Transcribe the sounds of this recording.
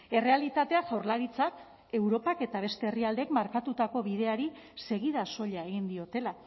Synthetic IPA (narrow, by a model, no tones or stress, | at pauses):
e̞re̞alit̪at̪e̞aʝawɾlaɾit͡sak | e̞wɾo̞pake̞t̪aβ̞e̞st̪e̞ːriald̪ekmaɾkat̪ut̪ako̞βið̞e̞aɾi | se̞ɣið̞aso̞ʎae̞ɣ̞ind̪io̞t̪e̞la